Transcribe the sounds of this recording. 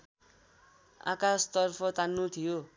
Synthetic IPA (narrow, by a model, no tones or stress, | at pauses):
a̰kast̪ʌrpʰʌt̪anːut̪ʰijo